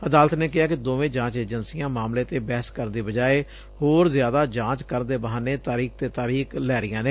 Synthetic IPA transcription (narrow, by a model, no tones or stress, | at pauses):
əd̪aːlət̪neːkɪaːkɪd̪oːʋẽːd͡ʒãːt͡ʃeːd͡ʒənsijãːmaːmleːt̪eːbɛːəskəɾd̪iːbəd͡ʒaːeː | hoːɾzɪjaːd̪aːd͡ʒãːt͡ʃkəɾd̪eːbəɦaːneːt̪aːɾiːk̚t̪eːt̪aːɾiːklɛːɾɪjãːneː